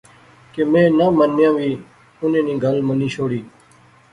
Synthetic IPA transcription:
kemẽːnəmənːjãːʋiː | ʊnẽːnĩːɡʱəlməniːʃoːɽiː

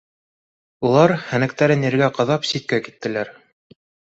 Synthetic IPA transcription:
ulˠɑɾhænæ̆kt̪æɾɘnɘ̆ɾɡæqɤ̆ðɑpsit̪̚kækit̪ːɘ̆læɾ

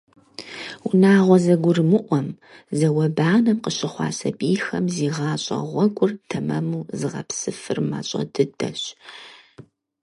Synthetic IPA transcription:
unaːʁʷɔzɐɡʷʊrmɨʔʷɔm | zɐwɐbaːnɐmqəɕɪχʷɑ̰ːsɐbiːjxɐmziːʁɑːɕʼɐ̰ʁʷɔɡʷʼʊrtʰɐmɐmuːzɨʁɐ̰psɨfɨrma̰ːɕʼɐ̰dɨdʰɐ̰ɕ

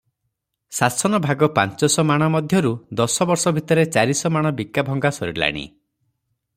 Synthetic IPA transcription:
sasɔnɔbʱaɡɔpa̰nt͡ʃɔsɔmaɽ̃ɔmɔd̪ʱjɔɾud̪ɔsɔbɔɾsɔbʱit̪ɔɾet͡ʃaɾisɔmaɽ̃ɔbikːabʱɔŋɡasɔɾiɾla̰ɽ̃ḭ

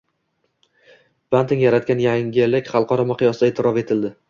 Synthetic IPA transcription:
b̥ant̪ɪŋjaɾat̪̚kʲanjaŋʲɪlɪkʲχɑlˠqʰɒɾɒmɪqʰɨjɒsɪd̪ae̞ːt̪ʰɪɾɒfe̞t̪ʰɪld̪ɪ

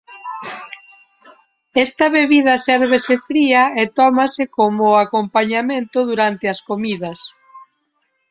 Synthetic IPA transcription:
ɛst̪ɐβeβiðɐsɛɾβɪsɪfɾiɐet̪ɔmasɪkomʊakompaɲamẽnt̪ʊðuɾant̪ɪɐskomiðɐs

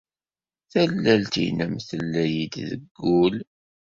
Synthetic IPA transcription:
θælːælt̪ḭnəmθəlːæjid̪ðə̰ɡːul

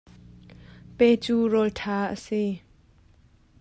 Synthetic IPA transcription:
pet͡suːrɔltʰaːʔə̰si

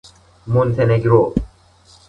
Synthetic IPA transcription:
munt̪ʰeneɡɾo

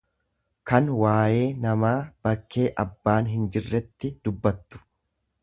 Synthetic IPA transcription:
kɐnwaːje̞ːnɐmaːb̥ɐkʰːe̞ːʔɐbːaːnɦɪnd͡ʒɪrːɛt̪ːɪd̪̥ʊbːɐt̪ːʊ̥

